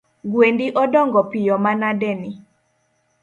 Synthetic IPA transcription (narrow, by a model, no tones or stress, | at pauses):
ɡwendiʔɔdɔŋɡɔpɪjɔmanadɛni